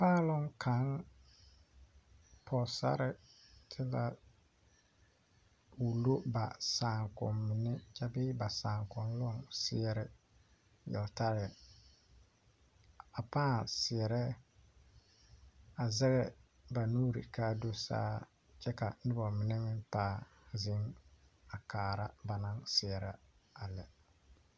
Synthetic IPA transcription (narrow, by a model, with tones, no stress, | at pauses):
paː˦˨lʊ˦ŋkʰa˨˦ŋ | pʰɔ˨sa̰˦ɾɪ˨tʰɪ˦la˦ | u˨lo˦ba˨saː˨ŋkɔ̰˨mːɪ˨nɪ˦t͡ʃa˦bɪ˦ba˨saː˨ŋkɔ˨nlʊ˦ɔ˦ŋsɪ˦ɛ˨ɾɛ˨ | jɛ̰˨lta˦ɾɪ˨ | a˨paː˦˨sɪ˨ɛ˨ɾɛ˦ | a˨zɛ˦ɣɛ˦ | ba˨nuː˦ɾḭ˨kaː˦do˦sa̰ː˦ | t͡ʃɛ˦ka˨nɪ˦bɔ˨mɪ˨nɛ˦mɪ˦npaː˦˨ | zɪ˦ŋ | a˨kaː˨ɾa˦ba˨na˦ŋsɪ˨ɛ˨ɾɛ˦a˨lɛ˨